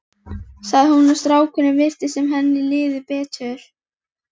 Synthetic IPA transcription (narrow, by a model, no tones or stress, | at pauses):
saɣðhunʏst̪ɾaːwkʰʏnːɪvɪr̥t̪ɪsɛmɦɛnːɪlɪːðɪpɛːtœɾ̥